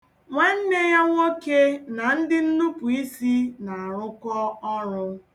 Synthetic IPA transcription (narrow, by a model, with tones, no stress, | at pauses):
ŋʷa˦n̩˦ne˦ja˦ŋʷo˦ke˦na˨n̩˦dɪ˦n̩˦nu˦pʊ˨i˦si˦na˨a˨ɾʊ˦kɔ˦ɔ˦ɾʊ˦